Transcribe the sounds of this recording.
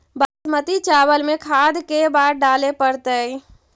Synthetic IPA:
basmət̪it͡ʃabəlmekʰad̪ʱkebaɾɖalepəɾt̪əj

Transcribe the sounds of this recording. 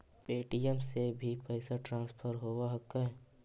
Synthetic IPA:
peːʈijəmsebʱipəɪsaʈɾãːnspʰəɾɦoːwaɦɐkːaɦɛ

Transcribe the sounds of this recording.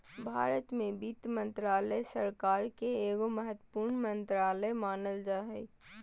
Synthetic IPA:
bʱa̰ːɾət̪mẽbit̪mə̃nt̪ɾaːləsəɾkaːɾkeeːɡoməɦət̪wəpuːɾɳmə̃nt̪ɾaːləmaːnəld͡ʒaːɦɛ

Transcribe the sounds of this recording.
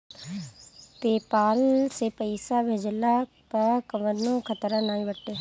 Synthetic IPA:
peːpaːlsepəɪsabʱeːd͡ʒla | pɐkəʋənõkʰət̪ɾãnaːĩbəʈ̪ːe

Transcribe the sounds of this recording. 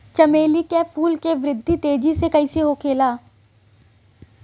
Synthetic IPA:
t͡ʃɐmeːlikefʰuːlkeʋɾɪd̪ʱːit̪eːd͡ʒisekɐiseɦokʰeːlaː

